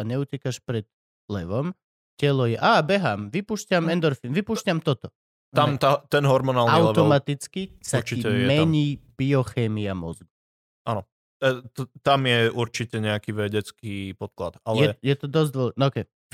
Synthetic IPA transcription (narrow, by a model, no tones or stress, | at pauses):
aɲɛucɛkaʃpɾɛd̪̥ | lɛʋɔm | cɛlɔjɛʔaːbɛɦamʋipuːʃcamɛnd̪ɔɾfinʋipuːʃcamt̪ɔt̪ɔ | t̪amt̪at̪ɛnɦɔɾmɔnalaʊɛt̪ɔmat̪it͡skisaiiɛmɛɲiːb̥iɔxɛːmiamɔ̰zɡi | ʔanɔ | t̪t̪amjɛʔuɾt͡ʃicɛɲɛakiʋɛɟɛt͡skiːpɔt̪̚kla̰t̪aljɛjɛt̪ɔd̪ɔzd̪ʋɔlnɔːkɛ